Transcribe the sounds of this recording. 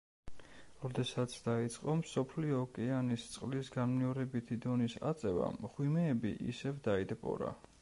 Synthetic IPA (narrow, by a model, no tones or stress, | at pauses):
ɾɔd̪ɛsat̪sʰd̪̥ait̪sʼqʼɔmsɔpʰliɔːkʼɛanist̪sʼqʼlisɡanmnɛɔɾɛbit̪ʰid̪ɔnisa̰t̪sʼɛva̰mʁwimɛːbiʔḭsɛvd̪aid̪ɛpʼɔ̰ɾa̰